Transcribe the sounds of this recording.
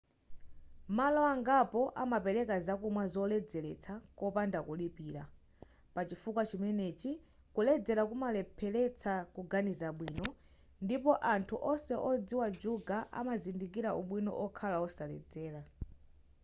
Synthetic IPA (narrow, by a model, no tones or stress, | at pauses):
malɔaŋɡapɔʔamapɛɾɛkazakumwazɔlɛd͡zɛlɛt͡sʰakɔpandakulipiːɾa | pat͡ʃifukwat͡ʃimɛnɛt͡ʃi | kulɛd͡zɛɾakumalɛpʰɛlɛt͡sʰakuɡanizaɓwiːnɔ | ndipɔʔantʰuʔɔsɛʔɔd͡ziwad͡ʒuɡaʔa̰mazindik̬iɾaʔuɓwinɔ̰ʔɔkʰalaɔsalɛ̰d͡zɛːla